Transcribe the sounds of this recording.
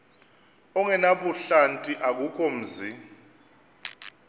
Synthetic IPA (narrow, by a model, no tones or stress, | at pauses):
ɔŋɛnaɓuɬantʼiʔak̬ukʰɔm̩ːzi